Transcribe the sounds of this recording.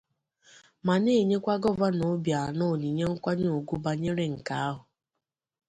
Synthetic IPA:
ma˨ne˦˨ɲe˦kʷa˦ɡɔ˦va˦no˨˦bja˨nʊ˦˨ni˨ɲe˦ŋ̩˦kʷa˦ɲ˦o˨ɡu˦ba˨ɲe˦ɾe˦ŋ̩˨ka˨˦a˦ɦʊ˨

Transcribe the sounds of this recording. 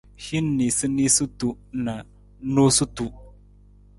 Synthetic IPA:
hi˦nːi˨sɨ˦ni˦su˦tu˨ | na˨ | no˦su˦tu˨

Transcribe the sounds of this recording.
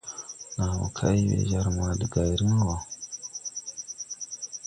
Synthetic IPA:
na˨wo̰˨kʰa̰˦i˦wḛ˨ʒa˦ɾma˨di˨ɡa˨jɾi˦ŋ˦wa˨

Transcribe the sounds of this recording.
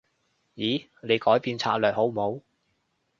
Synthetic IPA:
jiː˨˥ | ne˨˧jkɔː˨˥jpiː˨˧nt͡sʰaː˧t̚lœː˨˩k̚ho˨˥wmo˨˧w

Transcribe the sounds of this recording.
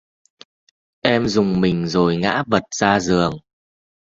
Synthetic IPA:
ʔɛ˧mzʊ˨˩ŋ͡mmï˨˩ŋ̟zo˨˩jŋa̰ː˧˥və˨˩t̚z̥aː˧zɨ˨˩əŋ

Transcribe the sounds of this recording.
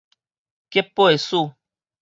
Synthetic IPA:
kje˦pːo˦e˨su˦˨

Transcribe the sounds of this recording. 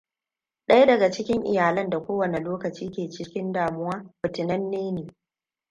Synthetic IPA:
ɗɐ˦jdɐ˨ɡa˨t͡ʃɪ˦kʲɪ˦ŋʔɪ̰˨jaː˨lɐ˦nda˨kʷoː˦wɐ˨ne˨loː˦kɐ˨t͡ʃiː˦kʲeː˨t͡ʃɪ˦kʲɪ˦ndaː˨mʊ˦waː˦bɪ˨tɪ˨nɐ˦nːeː˦neː˨

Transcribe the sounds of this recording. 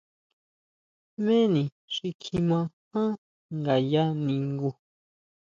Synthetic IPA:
mẽ˦nĩ˨ | ʂi˧kʰĩ˧mã˧hã˦ | ŋɡa˨ja˦nĩ˨˧ŋɡu˧

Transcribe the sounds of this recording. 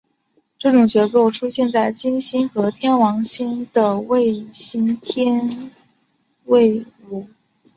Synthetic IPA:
ʈ͡ʂɤ˥˩ʈ͡ʂʊ˨˩ŋt͡ɕɥɛ˧˥ko˥˩ʊʈ͡ʂʰu˥ɕjɛ˥˧nt͡sa˥˩ɪt͡ɕi˥nɕi˥nxɤ˧˥t̪ʰjɛ˥nwɑ˧˥ŋɕi˥nd̪̥ə˨we˥˩ɪɕi˥nt̪ʰjɛ˥n | we˥˩˧ɪu˨˩

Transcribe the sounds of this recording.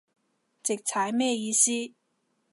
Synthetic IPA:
t͡sɪ˨˩k̚t͡sʰaː˨˧˥jmɛː˥˧jiː˨˧˥siː˥

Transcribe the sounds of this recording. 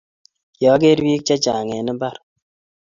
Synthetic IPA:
jɔː˨˦ɡe˦ɾwi˦k̚t͡ʃa˦t͡ʃa˨ŋe˨nə˦ba˦˨ɾ

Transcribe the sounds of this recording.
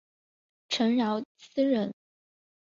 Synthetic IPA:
ʈ͡ʂʰɤ˧˥ŋɻɑ˧˥ʊt͡sʰɹ̩˥ɻə˧˩˦n

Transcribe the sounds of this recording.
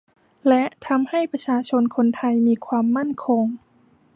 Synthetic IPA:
lɛ˧˦˥ʔt̪ʰa˧mha˥˩jpa˧t͡ɕʰaː˧t͡ɕʰo˧nkʰo˧nt̪ʰa˧jmiː˧˥kʰwaː˧mːa˥˩˨nkʰo˧ŋ

